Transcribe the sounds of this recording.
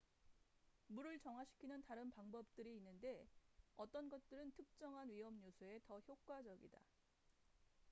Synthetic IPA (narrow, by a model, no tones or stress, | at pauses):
muɾɯɭt͡ɕʌŋwaɕʰi̥kʰinɯntaɾɯnpaŋbʌp̚t͈ɯɾiːnːɯnde̞ʌt͈ʌnɡʌt̚t͈ɯɾɯntʰɯk̚t͡ɕ͈ʌŋɦanɥiɦʌmɲusʰue̞tʌçjok̚k͈wad͡ʑʌɡḭda̰